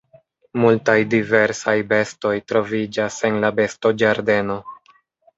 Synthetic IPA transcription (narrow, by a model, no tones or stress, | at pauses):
multajdive̞ɾsajbe̞sto̞jtɾo̞vid͡ʒase̞nlabe̞sto̞d͡ʒaɾde̞no̞